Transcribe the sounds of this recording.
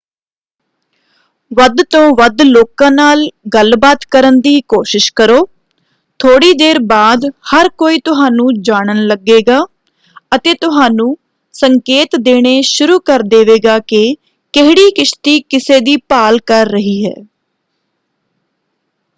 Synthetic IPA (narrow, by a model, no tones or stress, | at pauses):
ʋəd̪t̪õːʋəd̪loːkãːnaːlɡəlbaːt̪kəɾənd̪iːkoːʃɪʃkəɾoː | t̪ʰoːɽiːd̪eːɾbaːd̪həɾkoːiːt̪ʊɦaːnũːd͡ʒaːɽ̃ənləɡːeːɡaː | ət̪eːt̪ʊɦaːnũː | səŋkeːt̪d̪eːɽ̃eːʃʊɾuːkəɾd̪eːʋeːɡaːkɪ | kɪɦɽiːkɪʃt̪iːkɪseːd̪iːpaːlkəɾːəɦiːɦɛ̰ː